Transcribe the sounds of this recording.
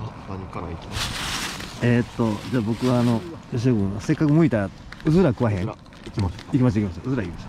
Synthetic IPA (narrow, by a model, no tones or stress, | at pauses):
eːt̪ːo̞d͡ʑaːbo̞kɯ̟βaːno̞joɕ̬iɡɯose̞kːakɯ̟moit̪aɾa | ɯ̟zɨɾakɯ̟βaɦẽ̞ | ikikʲimaɕ̬taikʲimaɕtaɯzɨɾaikʲimaɕt̪a